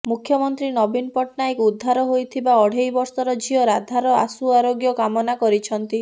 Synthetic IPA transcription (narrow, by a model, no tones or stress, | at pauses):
mukʰːjɔmɔnt̪ɾinɔbinpɔʈnajkud̪ʱːaɾɔɦojt̪ʰibaɔɽ̤ejbɔɾsɔɾɔd͡ʒʱiɔɾad̪ʱaɾɔa̰suaɾoɡjɔkamɔnakɔɾit͡ʃʰɔnt̪i